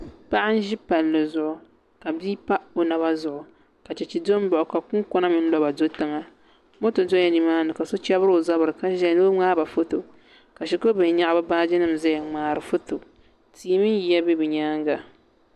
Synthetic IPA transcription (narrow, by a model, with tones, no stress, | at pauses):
pa˦ʔa˦n̩˦ʒi˦pa˨lːɨ˨zʊ˦ʔʊ˨ | ka˨biː˦pa˦o˨na˨βa˦zʊ˨ʔʊ˨ | ka˨t͡ʃɛ˨t͡ʃi˨do˦m˦bɔ˨ʔʊ˨ka˨kʊ˦ŋkɔ˦na˦mɨ˦n̩˦lɔ˦ba˨do˦tɨ˦ŋa˦ | mo˦to˨do˦ɛ˦ni˨maː˦nɨ˨ka˨so˦t͡ʃɛ˦bɨ˦ɾo˨za˦bɨ˨ɾɨ˨ka˦ʒɛ˦˨no˦ŋ͡maː˦ba˨fo˦to˨ | ka˨ʃi˨ko˦bɨ˨n˨˦ɲa˦ʔba˦baː˦d͡ʒɪ˦nɨ˦m˨zɛ˦jŋ͡maː˨ɾɨ˨fo˦to˨ | tʰiː˨˦mɨ˦n˦ji˨ja˦bɛ˦bɨ˨ɲaː˦ŋɡa˨